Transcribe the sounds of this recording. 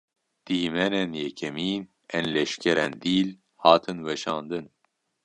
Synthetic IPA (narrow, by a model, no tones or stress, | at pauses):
d̪̥iːmɛnɛnjɛkʰɛmiːn | ɛnlɛʃkʰɛɾɛnd̪iːl | hɑːt̪ʰɨnwɛʃɑːnd̪ɨn